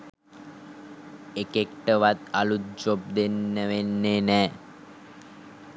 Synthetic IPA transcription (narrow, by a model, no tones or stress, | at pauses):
ekekʈəʋat̪a̰lut̪̚d͡ʒop̚d̪enːəʋenːenɛː